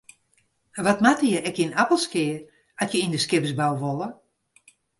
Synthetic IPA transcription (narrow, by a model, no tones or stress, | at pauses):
ʋɔtmatəjəɛkinapəlˠskɪər | atjəindəskɪpəsbawʋolˠə